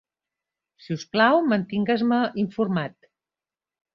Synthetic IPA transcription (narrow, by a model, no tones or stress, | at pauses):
siusplawmənt̪iŋɡəzməʔiɱfuɾmat̪